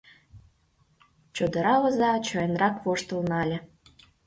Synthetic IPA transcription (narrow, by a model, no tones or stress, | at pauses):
t͡ɕod̪ɤ̆ɾɑβɤ̆zɑt͡ɕoenrɑkβoʃt̪ə̆lnɑlʲĕ